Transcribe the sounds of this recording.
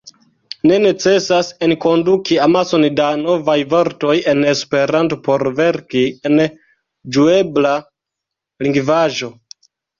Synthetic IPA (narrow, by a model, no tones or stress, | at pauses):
ne̞ne̞t͡se̞sasenko̞ndukiamaso̞ndano̞vajvo̞ɾto̞je̞ne̞spe̞ɾanto̞po̞ɾve̞ɾkien | d͡ʒue̞bla | liŋɡvaʒo̞